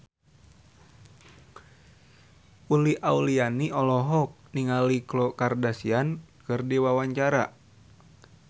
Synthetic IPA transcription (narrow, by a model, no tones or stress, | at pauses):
uliaulianiɔlɔɦɔk̚niŋaliklɔkardasiankɨrdiwawaɲt͡ʃaɾa̰